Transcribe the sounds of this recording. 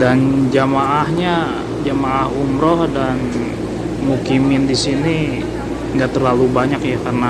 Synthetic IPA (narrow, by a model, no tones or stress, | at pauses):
dand͡ʒamaʔahɲa | d͡ʒamaːhumɾɔhdan | mukimɪndisini | ŋɡaʔt̪ərlalubaɲakjakarna